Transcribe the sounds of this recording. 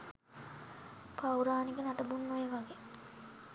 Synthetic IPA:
pawuɾaːnikənaʈəbunːojeʋaɡe

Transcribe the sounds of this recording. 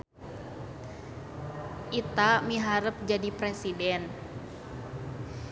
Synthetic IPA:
ʔit̪amiɦaɾəp̚d͡ʒadipɾɛsidɛn

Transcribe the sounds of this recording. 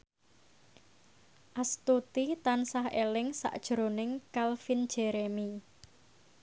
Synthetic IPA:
ʔast̪ut̪it̪ansahelɪŋsa̰ʔd̥ʒ̥ɾonɪŋkalfind̥ʒ̥ɛɾemi

